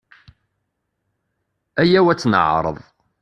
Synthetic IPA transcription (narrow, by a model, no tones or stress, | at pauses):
æjæwæt͡sːnə̰ʕɾˤə̰ðˤ